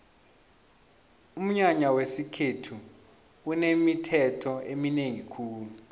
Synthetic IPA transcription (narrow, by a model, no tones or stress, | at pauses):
um̩ɲaɲawesikʰetʰu | unemitʰɛtʰɔemineŋikʰuːlu